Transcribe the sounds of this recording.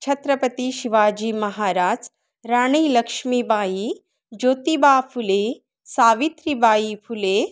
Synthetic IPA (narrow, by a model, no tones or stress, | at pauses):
t͡ʃʰɐt̪ɾɐpət̪iʃiʋaːd͡ʒiːmɐɦaːɾaːd͡ʒ | ɾaːɽ̃iːlɐkʃmibaːi | d͡ʒoːt̪ibaːfʰule | saːʋit̪ɾibaːifʰule